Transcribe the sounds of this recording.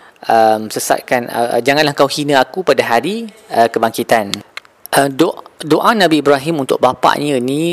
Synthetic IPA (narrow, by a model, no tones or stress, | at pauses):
ʔəmsəsa̰t̪̚kanə̰d͡ʒaŋãnlahkawhinə̃akupadaɦaɾiəkəbaŋkit̪an | ʔəmdoʔdoʔanãbiːbɾaɦimunt̪ʊ̰k̚bapa̰ʔɲãinĩ